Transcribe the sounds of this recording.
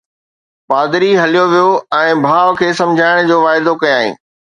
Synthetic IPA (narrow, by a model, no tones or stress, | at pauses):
paːd̪ɾiɦɐlijoʋijoɛ̃ːbʱaːʋkʰeːsɐ̃md͡ʑʱaːɪɽ̃d͡ʑoːʋaːɪd̪okɐjoaːɦḭ̃ː